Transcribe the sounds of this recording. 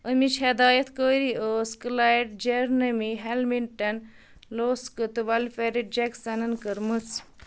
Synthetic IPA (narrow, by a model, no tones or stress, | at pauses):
əmit͡ʃʰed̪aːjɐt̪ʰkəːɾiəːskɨlaiʈd͡ʒeɾnɐmiɦelminʈɐn | loːskɨt̪ɨʋɐlfeɾiʈ̚d͡ʒeksɐnɐnkəɾmɨt͡s